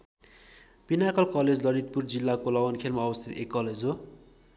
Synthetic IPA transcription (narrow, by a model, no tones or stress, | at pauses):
pinakʌlkʌled͡zlʌɾit̪̚purd͡zilːakolʌwʌnkʰelmaʌbʌst̪ʰit̪ekːʌled͡zɦo